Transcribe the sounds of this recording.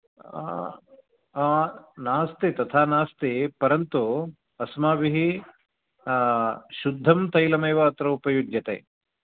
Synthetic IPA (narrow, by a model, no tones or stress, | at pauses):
aːnaːst̪it̪ɐt̪ʰaːnaːst̪ipɐɾɐnt̪u | ɐsmaːbiɦi | ʃud̪ʱːɐmt̪ɐjlɐmeːʋɐːt̪ɾɐupɐjudjɐt̪ḛː